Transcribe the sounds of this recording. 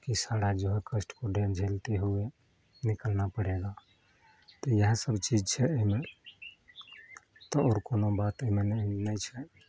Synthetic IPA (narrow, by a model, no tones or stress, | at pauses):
kisaɽad͡ʒoɦekəsʈkoɖed͡ʒʱelt̪eɦue | nikəlnapəɽeɡa | t̪ɔjəɦãsəbt͡ʃid͡ʒt͡ʃʰɛoɦime | t̪ɔɔːɾkonobat̪əɦimennəjt͡ʃʰɛ